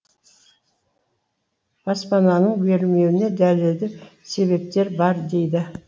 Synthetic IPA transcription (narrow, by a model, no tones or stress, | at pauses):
b̥ɑspɑnɑnəɴbe̞ɾlme̞wɪne̞d̪ælɪld̪ɪse̞βe̞p̚t̪e̞ɾbɑɾd̪e̞jd̪ɪ